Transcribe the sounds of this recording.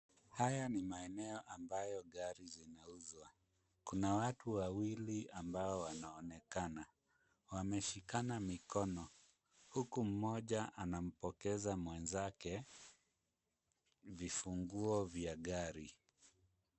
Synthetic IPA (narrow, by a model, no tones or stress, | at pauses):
hajanimaɛnɛɔʔambajɔɠaɾizinauzwa | kunawatuwawiliambaɔwanaɔnɛkana | wamɛʃikanamikɔnɔ | hukum̩mɔʄaʔanam̩pɔkɛzamwɛnzakɛ | vifuŋɡuɔvjaɠaɾi